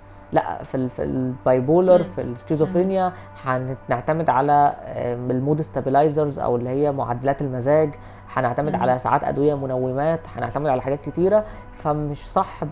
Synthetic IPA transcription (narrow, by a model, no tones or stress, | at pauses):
læ̰ʔfifḭlbɑjboːleɾˤfḭlskizofɾinjæ | ħænneʕt̪æmed̪ʕalæ | elmuːd̪est̪æbilɑjzɑɾzʔæ̰welːihejːæmoʕa̰d̪ːælæːt̪elmæzæːɡ | ħæneʕt̪æmed̪ʕa̰læsa̰ʕa̰ːt̪ʔæ̰d̪wejæmonæwːemæːt̪ħænḛʕt̪æmed̪ʕalæħaɡæːt̪̚ket̪iːɾæ | fæmeʃsˤɑħ